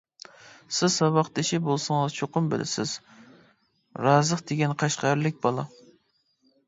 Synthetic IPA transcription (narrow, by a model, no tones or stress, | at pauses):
sɪz̥sɑbɑqt̪ɪʃɪbolˠsɨŋɨzt͡ʃʰoqʊmbɪ̰lʔɪ̰sɪ̰z̥ | ɾɑzəqd̪eɡʲɛnqʰɑʃqɑɾlɪk̚ʲbɑlˠɑ̰